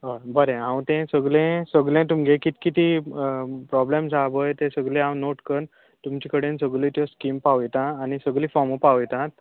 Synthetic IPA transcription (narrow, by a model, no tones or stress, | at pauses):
əbəɾẽãwt̪ẽsəɡlẽsəɡlẽt̪umɡʱekit̪kit̪i | pɾɔblemd͡zʱabəjt̪ẽsəɡlẽãwnoʈkəɾn | t̪umt͡ɕikəɽẽnsəɡlit̪jɔskimpaʋjt̪ãːnisəɡlĩːfɔməpaʋjt̪ãt̪